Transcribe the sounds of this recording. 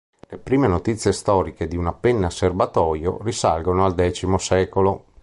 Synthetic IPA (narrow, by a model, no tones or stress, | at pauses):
lepɾiːmenot̪it̪sːjest̪ɔːɾiked̪iunapenːasːerbat̪ɔːjo̰risa̰lɡonoald̪ɛːt͡ʃimosɛːkolo